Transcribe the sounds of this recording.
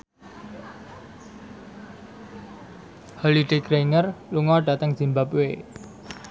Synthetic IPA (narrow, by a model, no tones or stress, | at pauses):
hɔliɖeɡ̥ɾeiŋərluŋɔɖ̥ä̤t̪əŋz̥imbapwe